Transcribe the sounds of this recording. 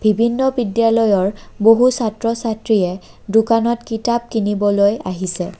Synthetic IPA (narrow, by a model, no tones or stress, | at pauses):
b̥ʱibʱinːɔbidjalɔjɔɹboɦusatɹɔsatɹiɛ | dʊkanɔtkitab̚kinibɔlojaɦisɛ